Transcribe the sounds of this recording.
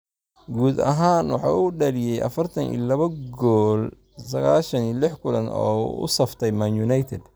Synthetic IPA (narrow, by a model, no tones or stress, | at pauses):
ɡuːd̪ɐ̰ɦaːnwɑħɑ̰ːuːɖɐlɪjɛjʔɐ̰fɐrt̪ʰɐnḭːlɐβɐɡɔːl | sɐɣaːlʃɐniːlɪħkʰʊlɐnɔ̰ːʊ̰sɐft̪ʰɛjmanjunɐjt̪ʰɛd̪